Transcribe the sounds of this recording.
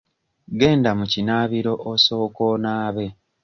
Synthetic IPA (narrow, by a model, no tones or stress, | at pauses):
ɡe̞ːndamucinaːβiɾo̞ʔoso̞ːkoːnaːβe̞